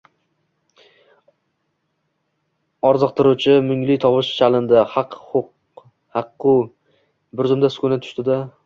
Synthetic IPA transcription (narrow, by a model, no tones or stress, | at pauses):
ɒɾzɨq̚t̪ʰɪɾut͡ʃʰɪmʊŋlɪjt̪ʰɒpɪʃt͡ʃʰalɪnd̪ahɑqχʊq | hɑqːʊ | bʊɾzʊmd̪asʊ̥kʰʊnat̪ʰʊ̥ʃt̪ɪd̪a